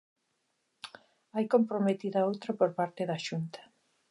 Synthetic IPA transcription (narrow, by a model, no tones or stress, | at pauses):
ajkompɾomet̪iðɐowt̪ɾapoɾpaɾt̪eðaʃunt̪ɐ̥